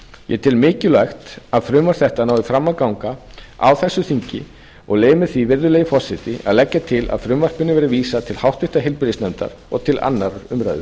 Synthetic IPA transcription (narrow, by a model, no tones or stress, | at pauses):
jɛ̰t̪ʰɪlmɪːcɪlaxt̪aðfɾʏːmvaɾ̥θɛht̪anaːwðɪfɾamːakawŋka | awθɛsːʏθiɲcɪ̰ | ɔɣleːjmɪθivɪɾðʏleːjɪfɔr̥sɪt̪ɪa̰ðlɛcːat̪ʰɪla̰ðfɾʏːmvar̥pɪnʏvɛɾɪviːsat̪ʰɪlhawht̪vɪht̪aɦɪlpɪɾɪsnɛmt̪a̰ɾ | ɔɣt̪ʰɪlʔa̰nːaɾɾʏmɾa̰jðʏ